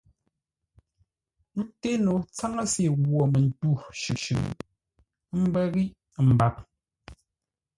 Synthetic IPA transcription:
n̩˦te˦no˨t͡sa˦ŋa˦si˦˨ɣwɔ˨mɛ˨n̩˨tu˦˨ʃʉ˨ʃʉ̰˨˦ | m̩˦bɛ˦ɣi˦ | m̩˨ba˦˨p̚

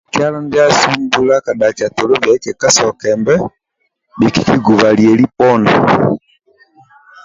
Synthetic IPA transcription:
kja˦lɔ˦nda˦su˦mbu˦la˦ka˨ɗa˨ka˨tɔ˨lɔ˦vjɛ˨˦kɛ˨ka˦sɔ˨kɛ˨mbɛ˦ | ɗi˨ki̥˦ki˦ɡu˨va˨li˨ɛ˨li˦pɔ˦na˨

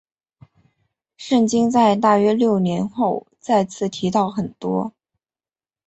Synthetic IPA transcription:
ʂə˥˩ŋt͡ɕi˥ŋt͡sa˥˧ɪt̪̬a˥˩ɥɛ˥ljo˥˩ʊnjɛ˧˥nxo˥˩˧ʊ | t͡sa˥˧ɪt͡sʰɹ̩˥˩t̪ʰi˧˥t̪ɑ˥˩ʊxə˨˩nt̪wɔ̰˥

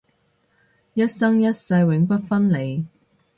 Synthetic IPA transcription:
jɐ˥t̚sɐ˥ŋjɐ˥t̚sɐ˧jwɪ˨˥ŋpɐ˥t̚fɐ˥nle˨˧j

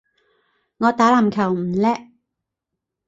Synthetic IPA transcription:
ŋɔː˨˧t̪aː˨˥laː˨˩mkʰɐ˨˩wm̩˨˩lɛː˥ʔ

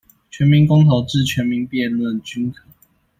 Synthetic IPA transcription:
t͡ɕʰɥɛ˧˥nmi˧˥ŋkɔ˥ŋt̪ʰo˨˦ʊʈ͡ʂɻ̩˥˨t͡ɕʰɥɛ˨˥nmi˨˦ŋpjɛ˥˨nlwə˥˨nt͡ɕy˥nkʰɤ˨˩˦

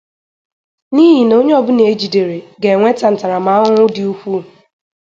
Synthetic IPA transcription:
niː˦ɦi˨no˦ɲe˦ɔ˨bʊ˦ne˨e˦d͡ʒi˨de˨ɾe˨ɡe˨ŋʷe˦ta˨n̩˨ta˨ɾa˨ma˦ɦʊ˦ŋʷʊ˦dɪ˨u˦kʷu˦˨

